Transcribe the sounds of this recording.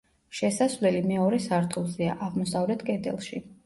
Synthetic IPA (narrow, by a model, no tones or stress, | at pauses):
ʃɛsasvlɛlimɛɔɾɛsaɾt̪ʰulˠziaʔaʁmɔsavlɛt̪ʰkʼɛd̪ɛ̰lˠʃi